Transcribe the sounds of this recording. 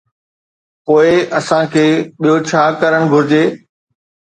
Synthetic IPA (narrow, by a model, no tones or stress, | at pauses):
poːɪɐsãkʰeːɓijot͡ɕʰaːkɐɾəɽ̃bʱʊɾɪd͡ʑeː